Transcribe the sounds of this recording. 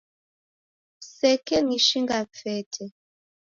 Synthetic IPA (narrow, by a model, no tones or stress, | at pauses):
sɛkɛniʃiŋɡafɛtʰɛ